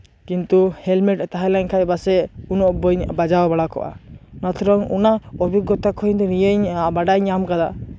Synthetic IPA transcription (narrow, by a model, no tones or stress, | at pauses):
kint̪uhɛlmɛʈt̪aɦalaɲkʰajbasɛunɔʔbɔɲbad͡ʒawbaɽakɔ̰ʔa̰nat̪ʰɾɔŋṵnaɔbiɡɔt̪akʰɔiɲd̪ɔɾijeɲbaɖaɲamkad̪a